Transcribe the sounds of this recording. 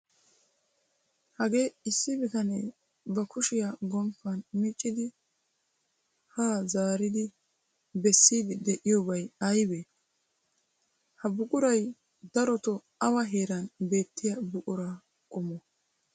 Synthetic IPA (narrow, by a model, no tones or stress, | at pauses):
hɐɡe̞ːɪsːɪbɪt̪ɐnḛ | bɐkʰʊʃɪjaɡɔmpːɐnmit͡ʃʼːɪd̪ɪ | haːzaːɾɪd̪ɪ | bɛsːiːd̪ɪd̪ɛʔɪjɔbɐjɐjbe | hɐbʊkʼʊɾɐj | d̪ɐɾɔt̪ɔ | ɐwɐɦeːɾɐnbe̞ːt̪ʰːɪjabʊkʼʊɾaː | kʼɔmɔ